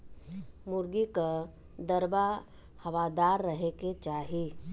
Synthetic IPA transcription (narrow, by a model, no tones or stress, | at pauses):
mʊɾɡika | d̪ɐɾba | hɐʋad̪aːɾːɐɦeket͡ʃaːɦi